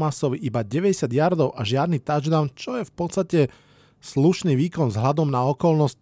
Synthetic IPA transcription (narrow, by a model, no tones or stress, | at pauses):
masɔʋiʔibaɟɛʋɛɟɛsɪad̪jaɾd̪ɔʊʔaʒɪad̪nit̪aʒd̪aʊnt͡ʃɔjɛfpɔt͡s̪st̪acɛ | sluʃniːʋiːkɔnzɦlad̪ɔmnaɔkɔlnɔsc